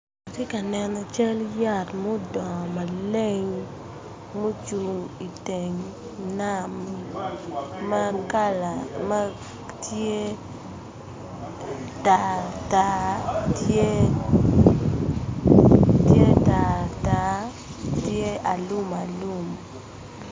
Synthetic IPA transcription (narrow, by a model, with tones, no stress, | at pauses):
a˨te˦ka˨nɛ˨nɔ˨t͡ʃa˦lja˦˨tmo˦dɔ˨ma˨le˦ŋ | mo˦t͡ʃu˨ŋi˨te˨ŋ | na˦m | a˦ka˦lama˦ | tje˦ | ta˨ta˨te˦ | tje˦ta˨ta˨˦ | tje˦a˨lu˦ma˨lu˦m